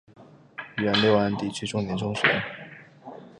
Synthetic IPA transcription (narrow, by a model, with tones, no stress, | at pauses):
y˧˩ɥə˧˥nle˥˩ɪwa˥˧˥nt̪i˥˩t͡ɕʰy˥ʈ͡ʂʊ˥ŋnjɛ˧˥nʈ͡ʂʊ˥ŋʂɛ̰˨˧˥